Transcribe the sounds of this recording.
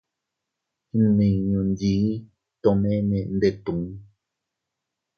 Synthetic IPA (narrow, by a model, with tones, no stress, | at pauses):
nĩ˨ɲũ˧ndi˧˦ | t̪o˧mẽ˦nẽ˧˨nd̪e˧˨t̪ũ˨˦